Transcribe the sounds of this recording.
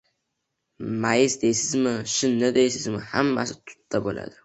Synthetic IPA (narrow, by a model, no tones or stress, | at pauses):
majɪsd̪ejsɪzmɪʃʊnːɪd̪ejsɪzmɪhamːa̰sɪt̪ʰʊ̥t̪ːabo̰la̰d̪̥ɪ